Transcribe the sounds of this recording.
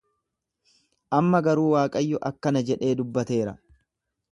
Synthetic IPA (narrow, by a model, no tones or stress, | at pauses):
ʔɐmːɐɡɐɾuːwaːkʼɐjːɔʔɐkːɐnɐd͡ʒɛᶑe̞ːd̪ʊbːɐt̪e̞ːɾɐ